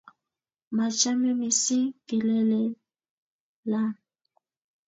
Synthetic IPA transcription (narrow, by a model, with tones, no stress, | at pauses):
ma˨t͡ʃa˦mɛ˦mi˨si˦ki˨lɛ˦lɛ˨ | la˦